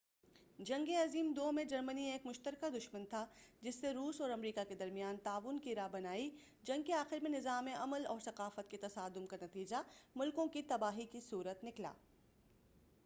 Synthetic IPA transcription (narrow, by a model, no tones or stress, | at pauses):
d͡ʒɐ̃ŋɡeɐziːmd̪oːmẽd͡ʒɐɾmənieeːkmʊʃt̪əɾkad̪ʊʃmənt̪ʰad͡ʒɪsːeɾuːsɔːɾɐmɾiːkaked̪ɐɾmijaːnt̪aːʋʊnkiɾaːbɐnaːi | d͡ʒɐ̃ŋɡ̚keaːxɪɾmẽnɪzaːmẽʔɐməlɔːɾsɐqaːfət̪̚ket̪ɐsaːd̪ʊmkanɐt̪iːd͡ʒamʊlkõkit̪ɐbaːɦikisuːɾət̪nɪkla̰ː